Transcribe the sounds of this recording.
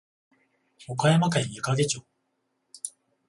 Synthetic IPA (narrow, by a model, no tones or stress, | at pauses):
okajamakaĩjɯ̟kaɡe̞t͡ɕoː